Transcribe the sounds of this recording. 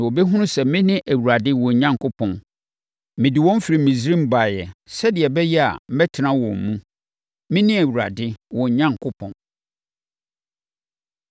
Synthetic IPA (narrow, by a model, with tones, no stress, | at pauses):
wo˨bɛ˦ɦʊ̃˦ʊ̃˦sɛ˨mɪ̃˦nɪ̃˦ʔæ˨wu˨ɾa˨dɪ˦wɔ̃˨ɲã˦ŋ˨kʰʊ˦pʰɔ̃˨n | mɪ̃˨dɪ˨wɔ̃˦m˦fi˨ɾi˨mĩ˨s̬ɾĩ˦m̩˦˨ba˨jɛ˨sɛ˦dɪ˨ɛ˨bɛ˦jɛ˦a̰˨m̩˦mɛ˦tʰɪ˨nã˦wɔ̰̃˨mː˨ũ˦ | mɪ̃˦nɪ̃˦æ˨wu˨ɾa̰˨dɪ˦wɔ̃˨ɲã˦ŋ˨kʰʊ˦pʰɔ̃˨n